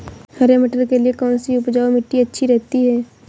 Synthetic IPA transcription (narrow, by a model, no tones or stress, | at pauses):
hɐɾeməʈəɾkeliekɔːnsiʊpd͡ʒaːomɪʈːiɐtːʃʰiɾɛɦt̪iɦɛː